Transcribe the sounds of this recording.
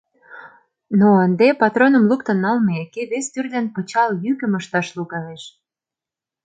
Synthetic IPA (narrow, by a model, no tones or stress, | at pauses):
noənd̪epɑt̪ronə̆mluk̚t̪ə̆nːɑlmeekeβest̪yrd̪ænpə̆t͡ɕɑljykə̆məʃt̪ɑʃluɣɑleʃ